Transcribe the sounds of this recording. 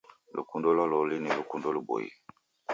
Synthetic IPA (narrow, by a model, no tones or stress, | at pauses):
lṵkundolɔlolinilukundolubo̰jḭ